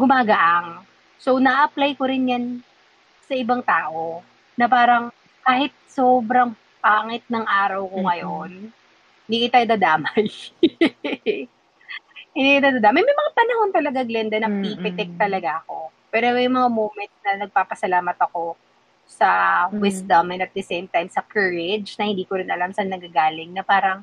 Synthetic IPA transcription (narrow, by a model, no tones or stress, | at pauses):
ɡʊmaːɡɐʔaŋ | so̞nɐʔɐplajkoɾɪnjan | sɐʔɪbaŋt̪aːʔo̞ | nɐpaːɾɐŋ | kaːhɪt̪̚soːbɾɐŋ | paːŋɛt̪̚nɐŋʔaːɾɐwkoŋɐjon | ɪniːkit̪ajd̪ɐd̪aːmaj | ɪnd̪ikɪt̪ad̪ad̪aːmɐjmɐjmɐŋapɐnɐho̞nt̪ɐlɐɡaɡlɛnd̪ɐnɐpipɛt̪ɛk̚t̪ɐlɐɡaʔɐko̞pɛːɾomɐjŋmɐŋamoːmɛnt̪̚nɐnɐɡ̚paːpɐsɐlaːmɐt̪ɐko̞ | sɐwɪsd̪ɐmɛnɐt̪̚d̪ɐsejmt̪ajmsɐkɛːɹɪd͡ʒnɐhɪ̃nd̪iːkoɾɪnʔɐlamsɐnɐɡaɡaːlɪŋnɐpaːɾɐŋ